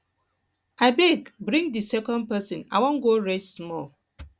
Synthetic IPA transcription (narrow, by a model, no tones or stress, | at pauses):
abeɡbɾĩŋdisɛkɔ̃nd̚pɛsĩna̰wɔ̃nɡoɹesmɔl